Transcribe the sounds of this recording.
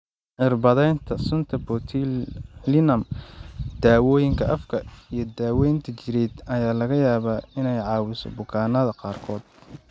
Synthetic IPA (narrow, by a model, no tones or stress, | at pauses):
ʕɪrbɐðɛjnt̪ʰɐsʊnt̪ʰɐbɔt̪ʰilɪnɐm | d̪̥aːwɔːjɪŋkʰɐʔɐfkʰɐijɞd̪aːwɛjnt̪ʰɐt͡ʃɪɾɛd̪ɐjaːlɐɣɐjaːβaːɪnɛjʕɑːwɪsɔ̰bʊkʰaːnɐðɐqɑːrkʰɔːd̪